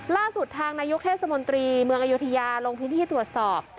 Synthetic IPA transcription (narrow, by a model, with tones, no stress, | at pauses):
laː˥˩su˨˩t̪ʰːaː˧ŋnaː˧jo˦˥k̚t̪ʰeː˥˩t̪sa˧mo˧nt̪ɾiː˧mɯ˧əʔa˧ju˦˥t̪ʰa˧jaː˧loː˧ŋpʰɯ˦˥nt̪ʰiː˥˩t̪ɾu˨˩ət̪̚sɔː˨˩p̚